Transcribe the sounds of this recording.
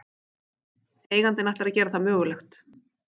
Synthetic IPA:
eːjɣant̪ɪnajht̪aɾaðcɛːɾaθamœːɣʏlɛxt̪

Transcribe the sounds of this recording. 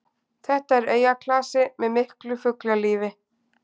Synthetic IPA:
θɛht̪aɛɾeːjakʰlaːsɪmɛðmɪhklʏfʏklaliːvɪ

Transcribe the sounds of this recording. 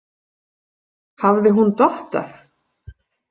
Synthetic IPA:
havðɪɦunt̪ɔht̪a̰ɾ̥

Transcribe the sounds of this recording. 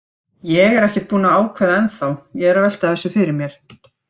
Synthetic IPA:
jɛɣɛɾɛhcɛt̪̚puːnaaːwkʰvɛːðaɛnθawjɛɣɛɾavɛjl̥t̪aðθɛsːʏfɪɾɪɾmjɛɾ̥

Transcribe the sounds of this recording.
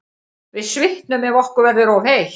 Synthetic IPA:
vɪðsvɪht̪nʏmɛvɔhkʏɾvɛɾðʏɾɔvhej

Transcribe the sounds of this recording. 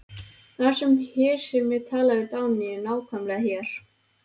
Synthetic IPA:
θḁsɛmhɛːɾ̥sɛɾmːɛðt̪ʰaːlaðɪt̪aːwnɪɪnaːwkʰamlɪɦjɛɾ̥

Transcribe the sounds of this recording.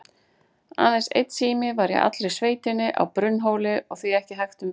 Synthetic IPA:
a̰ːnasḛjt̪siːmɪvaɾjɛ̰ɣʔa̰t̪lɾejsveːjt̪ɪnːɪʔa̰wpɾʏnːɦoːwlɪʔɔɣθviɛhcɪɦajxt̪ʏm

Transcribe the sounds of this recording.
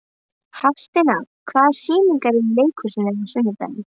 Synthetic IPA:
hafst̪ɪna | kʰvaːðsiːniŋkaɾɪleːjkʰʏsɪnɛnasʏnːʏt̪a̰jnɪ

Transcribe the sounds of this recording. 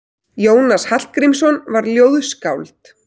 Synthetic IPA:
joːwnashatl̥t̪̚kɾimsɔnvaɾljoːwðskawlt̪

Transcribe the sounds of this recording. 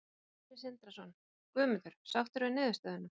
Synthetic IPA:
ɪsɪnt̪ɾasɔn | kvœːmʏt̪ʏɾ̥sawft̪ʏɾʏnɪːðʏst̪œːðʏnːʏ

